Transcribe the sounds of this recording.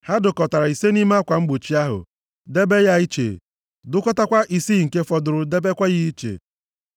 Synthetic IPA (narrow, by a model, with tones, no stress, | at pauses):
ha˦dʊ˨kɔ˨ta˨ɾa˨i˨se˦ni˦m˦kʷa˨ŋ͡m̩˦ɡ͡bʊ˨t͡ʃi˦a˦ɦʊ̰˨ | de˦be˦ja˦i˦t͡ʃḛ˨ | dʊ˦kɔ˦ta˦kʷa˦ʔi˨si˦˨ŋ̩˨ke˦fɔ˨dʊ˨ɾʊ˨de˦be˦kʷa˦ɣɪ˦i˦t͡ʃḛ˨